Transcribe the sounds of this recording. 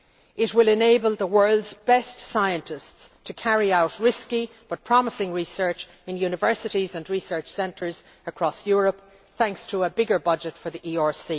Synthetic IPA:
ɪt̚wɪlɪ̃neɪbəlˠðəwɜ˞lˠdzbɛstsaɪə̃ntɪststʰəkʰæɹiaʊt̚ɹɪski | b̥ʌt̚pʰɹ̥ɑməsɪ̃ŋɹisɜ˞t͡ʃ | ɪ̃njʉnɨvɜ˞sɨɾizə̃nɹisɜ˞t͡ʃsɛ̃ntʰə˞z | əkʰɹ̥ɔsjɔɹəp̚ | θæ̃ŋkstʰəːbɪɡə˞bʌd͡ʒɨtfə˞ðiʔiɔɹsi

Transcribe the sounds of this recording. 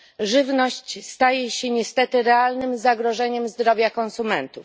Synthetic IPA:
ʐɘvnɔɕt͡ɕst̪ajɛɕɛɲɛst̪ɛt̪ɘɾɛalnɘmzaɡɾɔʐɛɲɛmzd̪ɾɔvʲjakɔnsumɛnt̪uf

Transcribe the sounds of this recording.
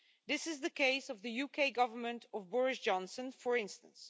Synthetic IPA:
ðɪsɨzðɨkeɪsʌvðɨjukʰeɪɡʌvə˞mə̃ntʰʌvbɔɹɪsd͡ʒɑ̃nsə̃nfə˞ɪ̃nstə̰̃ns

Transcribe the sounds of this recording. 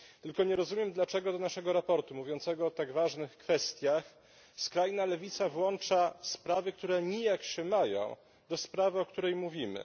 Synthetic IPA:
t̪ɘlkɔɲɛɾɔzumʲjɛmd̪lat͡ʂɛɡɔd̪ɔnaʂɛɡɔɾapɔɾt̪umuvʲjɔnt̪sɛɡɔːt̪aɡvaʐnɘxkfɛst̪ʲjax | skɾajnalɛvʲit̪savwɔnt͡ʂaspɾavɘk̚t̪uɾɛɲijakɕɛmajɔ̰̃w̃ | d̪ɔspɾavɘɔkt̪uɾɛjmuvʲimɘ̰

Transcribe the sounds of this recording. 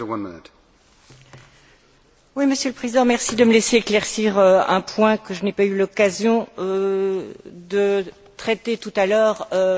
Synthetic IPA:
əwʌ̃nmɪnɪt | wiməsjøləpχezid̪ɑ̃mɛʁsid̪əməlɛseːklɛʁsiʁøɛ̰̃pwɛ̃kəʒənɛpaylɔkazjɔ̃ø | d̪ə | t̪χɛt̪et̪ut̪alœːʁø

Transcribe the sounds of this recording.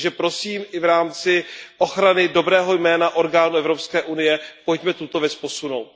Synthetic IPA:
ʒɛpɾo̞siːmɪvɾaːmt͡sɪʔo̞xɾanɪdo̞bɾɛːɦo̞jmɛːnaʔo̞ɾɡaːnuʔɛvɾo̞pskɛːʔunɪjɛpo̞cmɛt̪ut̪ovjɛt͡spo̞suno̞wt̪̚

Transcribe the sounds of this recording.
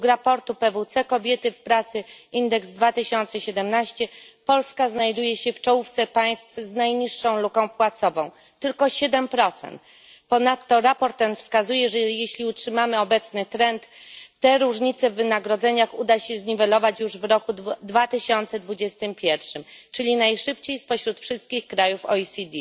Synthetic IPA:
kɾapɔɾt̪upɛvut̪sɛkɔbʲjɛt̪ɘfpɾat̪sɘind̪ɛkzd̪vat̪ɘɕɔnt̪sɛɕɛd̪ɛmnaɕt͡ɕɛpɔlskaznajd̪ujɛɕɛft͡ʂɔwuft̪sɛpaj̃st̪fznajɲiʂːɔ̃w̃lukɔ̃w̃pwat̪sɔvɔ̃w̃ | t̪ɘlkɔɕɛd̪ɛmpɾɔt̪sɛ̰nt̪ | pɔnat̪ːɔɾapɔɾt̪ɛnfskazujɛʐɛjeɕlʲiutʂɘmamɘɔbɛt̪snɘt̪ɾɛnt̪ːɛɾuʐɲit̪sɛvːɘnaɡɾɔd̪zɛɲaxud̪aɕɛzɲivɛlɔvat͡ɕjuʐvɾɔkud̪vat̪ɘɕɔnt̪sɛd̪vud͡ʑɛst̪ɘmpʲjɛɾfʂɘmt͡ʂɘlʲinajʂɘp̚t͡ɕejspɔɕɾut̪fʂɘst̪̚kʲixkɾajufɔ̰isʲid̪ʲi

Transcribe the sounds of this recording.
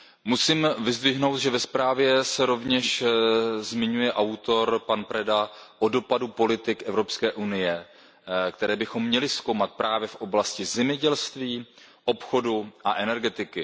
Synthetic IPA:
musiːmvɪzd̪vɪɦno̞wt̪ʒɛvɛspɾaːvjɛsɛɾo̞vɲɛʃ | zmɪɲujɛʔawt̪o̞ɾpanpɾɛdaʔo̞do̞padupo̞lɪt̪ɪkʔɛvɾo̞pskɛːʔunɪjɛ | kt̪ɛɾɛːbɪxo̞mːɲɛlɪskowmat̪̚pɾʔaːvjɛfʔo̞blascɪzɛmɲɛɟɛlst̪viːʔo̞pxo̞duʔaʔɛnɛɾɡɛt̪ɪkɪ

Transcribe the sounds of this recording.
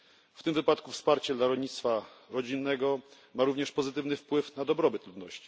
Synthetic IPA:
ft̪ɘmvɘpat̪kufspaɾt͡ɕɛd̪laɾɔlɲit̪st̪faɾɔd͡ʑinːɛɡɔ | maɾuvɲɛʂpɔzɘt̪ɘvnɘfpwɘfnad̪ɔbɾɔbɘt̪lud̪nɔɕt͡ɕi̥

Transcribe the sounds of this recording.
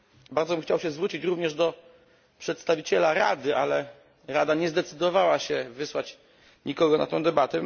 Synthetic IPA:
baɾd̪zɔbɘmxt͡ɕawɕɛzvɾut͡ɕit͡ɕɾuvɲɛʐd̪ɔ | pʂɛt̪st̪avʲit͡ɕɛlaɾa̰d̪ɘʔalɛ | ɾad̪aɲɛzd̪ɛt̪sɘd̪ɔvawaɕɛvɘswat͡ɕ | ɲikɔɡɔna̰t̪ɛ̃w̃d̪ɛbat̪ɛ

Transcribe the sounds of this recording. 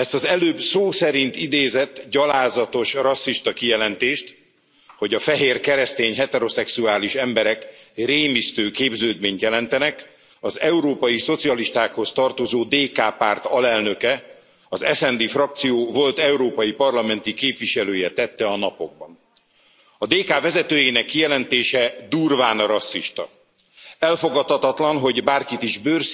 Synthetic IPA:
ɛst̪ɒzɛløːbsoːsɛɾint̪id̪eːzɛt̪ːɟɒlaːzɒt̪o̞ʃrɒsːiʃt̪ɒkijɛlɛnt̪eːʃt̪ | ho̞ɟɒfɛɦeːrkɛɾɛst̪eːɲɦɛt̪ɛɾo̞sɛksuaːliʃɛmbɛɾɛkreːmist̪øːkeːbzøːd̪meːɲt̪jɛlɛnt̪ɛnɛk | ɒzɛuɾoːpɒjiso̞t̪siɒliʃt̪aːkho̞st̪ɒrt̪o̞zoːd̪eːkaːpaːrt̪ɒlɛlnøkɛ | ɒzɛsɛnd̪iːfrɒk̚t̪sijoːvo̞lt̪ɛuɾoːpɒjipɒrlɒmɛnt̪ikeːpvʋiʃɛløːjɛt̪ɛt̪ːɛɒnɒpo̞ɡ̚bɒn | ɒd̪eːkaːvɛzɛt̪øːjeːnɛkːijɛlɛnt̪eːʃɛd̪urvaːnɾɒsːiʃt̪ɒ | ɛlfo̞ɡɒt̪ɒt̪ɒt̪lɒnɦo̞ɟbaːrkit̪iʒbørs

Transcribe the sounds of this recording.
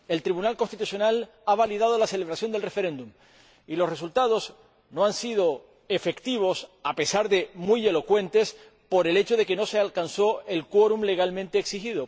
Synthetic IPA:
e̞lt̪ɾiβunalko̞nst̪it̪usjo̞nal | aβ̞aliðað̞o̞lase̞leβɾasjo̞nd̪elre̞feɾẽ̞nd̪um | ilosre̞sult̪að̞o̞s | no̞ansið̞o̞ | efe̞kt̪iβ̞o̞sapesaɾðe̞muje̞lo̞kwe̞nt̪e̞s | po̞ɾe̞le̞t͡ʃoð̞e̞ke̞no̞sealkanso̞e̞lkwoɾumle̞ɣalmẽnt̪eːksixiðo

